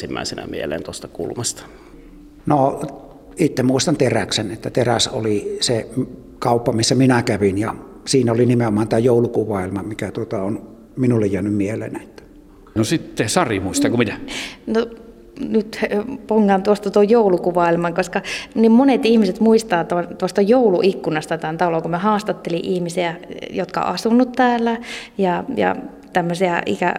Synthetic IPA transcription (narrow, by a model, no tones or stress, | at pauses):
simːæ̰ˑisenæ̰miḛlḛːnt̪ost̪ɑkṵlmɑst̪ɑ̥ | no | it̪ːemuist̪ɑnt̪eræksenet̪ːæt̪eræso̰lise | kɑˑupːɑmisːæminækæʋinjɑsiːnæolinimeomˑɑːnt̪æːjoˑulukuʋɑˑilmɑmikæt̪uot̪ɑon | minulːejjæːnymmielˑḛːnæet̪ːæ̥ | nosit̪ːesɑrimuist̪ɑkumit̪æno | nyt̪poŋːɑnt̪uost̪ɑt̪uojjoulukuʋɑilmɑŋkoskɑnimmonet̪ihmiset̪muist̪ɑːt̪ont̪uost̪ɑjoulṵʔikːunɑst̪ɑt̪ænt̪ɑlokumæhɑːst̪ɑt̪ːeliʔihmisiæjot̪kɑ̰ʔɑsunːut̪tæːlːæjɑjɑ̰ | t̪æmːøsiæʔḭkæ̰